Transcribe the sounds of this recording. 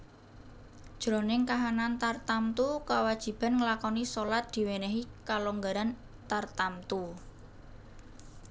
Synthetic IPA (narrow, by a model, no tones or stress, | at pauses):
d̥ʒ̥ɾo̤nɪŋkaɦanant̪art̪amt̪ukawad̥ʒ̥i̤b̥a̤nŋəlakɔnisolat̪̚d̪̥i̤wenɛɦikaloŋɡaɾan | t̪art̪amt̪u